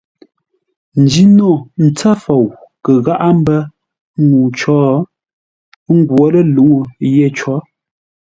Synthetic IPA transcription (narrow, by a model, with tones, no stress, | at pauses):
n̩˨d͡ʒi˦no˦˨n̩˨t͡sa˦fɔ˨wkə˨ɣa˦ʔa˦m̩˦bə˦ | ŋu˨t͡ʃɔː˦ | ŋ˦ɡwɔ˦lə˦lu˨˦jɛ˦˨t͡ʃɔ˦